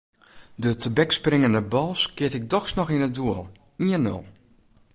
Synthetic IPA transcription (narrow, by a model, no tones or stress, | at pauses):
dətʰəbɛksprɪŋəndəbɔlˠskɪətɪk̚dɔxsnɔxɪnəduəlˠ | iənø̰lˠ